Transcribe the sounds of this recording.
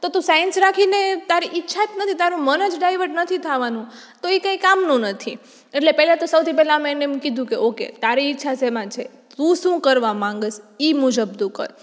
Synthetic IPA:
t̪ot̪ũsajənsɾakʰinet̪aɾiʔɪtːʃʰat̪nət̪ʰit̪aɾũmənəd͡ʒɖajʋəʈnət̪ʰit̪ʰaʋanũ | t̪oekãikamnũnət̪ʰi | eʈlepɛlat̪osəwt̪ʰipɛlamẽnemkid̪ʱũkeʔokḛt̪aɾiɪtːʃʰasemãt͡ʃʰe | t̪ũʃũkəɾʋamãŋɡəsimʊd͡ʒəb̚d̪ukə̰ɾ

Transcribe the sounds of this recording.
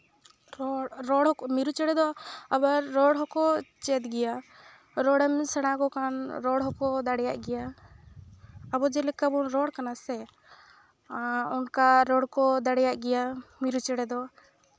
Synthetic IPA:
ɾɔɾɔɽɔmiɾut͡ʃɛɽɛd̪ɔabaɾːɔɽɦɔkɔt͡ʃɛt̪ɡɛja | ɾɔɽamisɛɽ̃akɔkanɾɔɽɦɔkɔd̪aɽɛjaʔɡɛja | bɔd͡ʒɛlɛkabɔnɾɔɽkanasɛ | ɔnkaɾɔɽkɔd̪aɽɛjaʔɡɛjamiɾut͡ʃɛɽɛd̪ɔ

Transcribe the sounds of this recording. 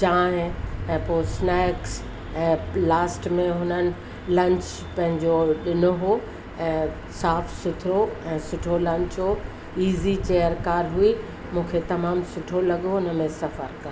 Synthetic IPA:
d͡ʑaːɦɪ̃ɛ̃ːpoːsnɛːks | ɛ̃ːlaːsʈmẽɦʊnənɪ̆ | lɐ̃ɲt͡ɕ | pɐ̃ɦɪ̃ɲd͡ʑoɗɪnʊɦo | ɛ̃ː | saːfsʊt̪ʰɪɾoɛ̃ːsʊʈʰolɐ̃ɲt͡ɕɦo | iːzit͡ɕejəɾkaːɾɦui | mũːkʰet̪ɐmaːmsʊʈʰolɐɠoʊnəmẽsɐfəɾkɐɾ

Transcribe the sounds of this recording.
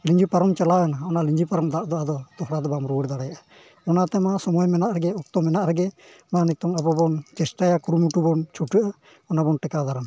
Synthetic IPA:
liɲd͡ʒipaɾɔmt͡ʃalawanaɔnaliɲd͡ʒipaɾɔmd̪aʔd̪ɔʔad̪ɔd̪ɔhɾad̪ɔbamɾuɽd̪aɽajaʔa | ɔnat̪ɛmasɔmɔjmɛnaʔɾɛɡɛɔk̚t̪ɔmɛnaʔɾɛɡɛ | manit̪ɔŋabɔbɔnt͡ʃɛsʈajakuɾumuʈubɔnt͡ʃʰuʈɯʔa | ɔnabɔnʈɛkad̪aɾan

